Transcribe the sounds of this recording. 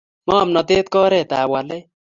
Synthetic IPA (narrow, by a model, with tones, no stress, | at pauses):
mɔ˦˨mnɔ˨t̪eː˦t̪̚kɔː˦ɾɛː˨t̪aː˨wa˨le˦